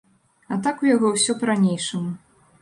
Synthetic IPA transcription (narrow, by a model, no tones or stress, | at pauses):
at̪akujaɣɔwsʲɔpɾanʲejʂɨmu